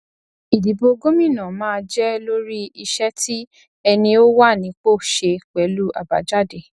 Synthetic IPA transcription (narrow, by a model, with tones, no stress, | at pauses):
i˨di˨˦bo˧ɡo˦mĩ˦˨nã˨mãː˦˧d͡ʒɛ˦lo˦ɾi˦i˧ʃɛ˦ti˦ | ɛ˧nĩ˧o˦wa˦˨nĩ˨˧˦k͡po˦˨ʃe˧k͡pɛ˨˦lu˦a̰˨ba̰˨d͡ʒa˦˨de˨